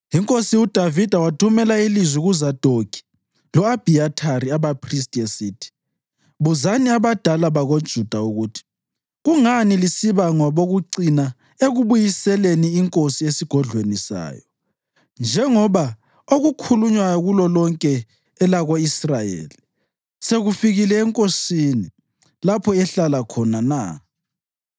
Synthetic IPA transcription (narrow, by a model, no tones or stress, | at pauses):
iŋkʼosiud̥ʱavid̥ʱawatʰumɛlailizwiɣuzad̥ʱoɡʰʱi̥ | lɔab̥ʱiatʰaɾiaβapʰristʼiesitʰi̥ | βuzaniaβad̥ʱalaβaɣod̥ʒ̥ʱud̥ʱauɣutʰi̥ | ɣuŋanilisiβaŋɔβoɣuǀina | eɣuβujisɛleniːŋkʼosiesiɡ̥ʱɔɮwenisa̰ːjɔ | nd͡ʒʱɛŋɔβa | oɣukʰuluɲwajɔɣulɔlɔŋkʼɛː | laɣoisrajḛːli | seɣufiɣilɛːŋkʼosini | lapʰɔɛɬalakʰɔnana̰